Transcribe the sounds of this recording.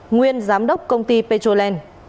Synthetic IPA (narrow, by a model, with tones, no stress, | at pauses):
ŋwi˧ənzaː˨˦mɗə˦˥wk͡p̚kə˧wŋ͡mt̪i˧pe˧t͡ɕo˧lɛ˧n